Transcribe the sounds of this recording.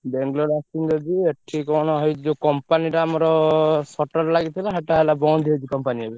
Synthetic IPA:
beŋɡlɔɾasind͡ʒɔd͡ʒieʈʰikɔñɔɦɔjd͡ʒekɔmpaniʈaamɔɾɔsɔʈɔɾlaɡit̪ʰilaɦeʈaɦelabɔwd̪ʱied͡ʒikɔmpaniɦebe

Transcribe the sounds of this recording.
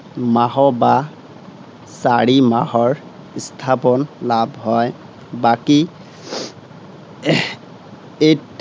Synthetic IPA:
maɦɔba | saɹimahɔɹ | st̪ʰapɔnlabhɔj | baki | et

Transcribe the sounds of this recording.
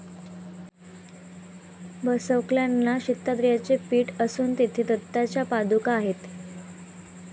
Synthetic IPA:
bəsəwkljanːaɕit̪ːad̪ɾjat͡sepiːʈəsuːnt̪it̪ʰed̪ət̪ːat͡ɕjapad̪ukaːɦet̪

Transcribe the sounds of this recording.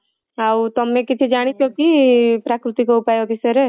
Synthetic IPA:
aut̪ɔmːẽkɪt͡ʃ̪ʰed͡ʒaːɽ̃it͡ʃʰokipɾaːkɾɪt̪ikoʊpaːjokisɐɾe

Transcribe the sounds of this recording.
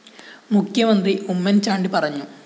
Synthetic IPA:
mukʰjɐmɐnd̪riumːɐnt͡ɕaːɳɖipɐrɐɲːu

